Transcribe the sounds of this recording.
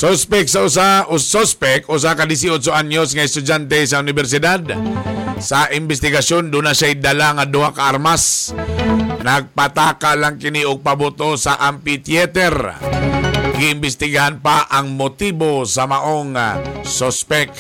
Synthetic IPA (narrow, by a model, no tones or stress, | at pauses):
sospɛksaʔʊs̬aʔʊsospɛkʔʊs̬akad̪ɪs̬iod̪s̬ʊʔaɲosŋaɛst̪ʊd͡ʒant̪ɛs̬aʊnɪbɛɾs̬ɪd̪ad̪ | saʔɪmbɛst̪ɪɡasjond̪unaʃajd̪alaŋad̪ʊakaʔaɾmas | naɡ̚pat̪aːkalaŋkɪniʔʊɡ̚pabʊt̪osaʔampit̪jɛt̪ɛɾ | ɡɪːmbɪst̪ɪɡahanpaʔaŋmʊt̪ibosamaʔoŋasospɛk